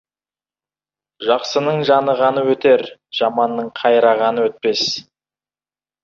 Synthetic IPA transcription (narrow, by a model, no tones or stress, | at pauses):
ʒɑqsənəɴʒɑnəʁɑnəwɵt̪e̞ɾʒ̥ɑmɑnːəɴqʰɑjɾɑʁɑnəwɵt̪̚pe̞s